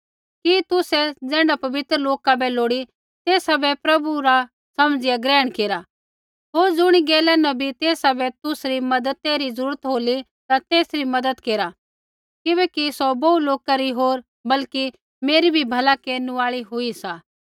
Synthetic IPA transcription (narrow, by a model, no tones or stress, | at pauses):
kit̪ʊsɛd͡zɛ̃ːɖapɐbɪt̪ɾəloːkabɛloːɽi | t̪eːsabɛpɾɐbuɾa | sɐmd͡zɪjaɡɾɛːəɽ̃keːɾa | ɦoːɾd͡zʊɽ̃iɡɛːlɛnɐbʱit̪eːsabɛt̪ʊsɾimɐd̪ət̪eɾizɐɾuːɾət̪ɦoːli | t̪at̪eːsɾimɐd̪əd̪keːɾa | kɪbɛkisɔbɐuloːkaɾiɦoːɾ | bɐlki | meːɾibʱibʱɐlakeːnũaːɭiɦʊisaː